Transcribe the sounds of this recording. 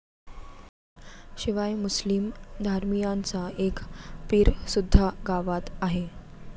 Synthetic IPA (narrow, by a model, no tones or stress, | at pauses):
ɕiʋajmuslimd̪ʱaɾmijant͡saekpiːɾsud̪ʱːaɡaʋat̪aɦe